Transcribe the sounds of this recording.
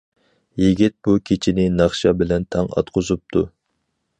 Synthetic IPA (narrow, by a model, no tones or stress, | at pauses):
jiɡʲit̪̚b̥ukʲʰet͡ʃʰinɪnɑχʃɑbɪlɛnt̪ʰɑŋɑ̰t̪qʰozup̚t̪ʰu